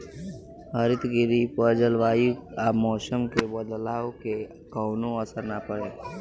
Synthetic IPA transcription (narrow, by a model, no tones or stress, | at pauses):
ɦəɾɪt̪ɡɪɾipəd͡ʒəlʋaːiaːmɔːsəmkebəd̪laːoke | kɔʊnõəsəɾnapəɽeː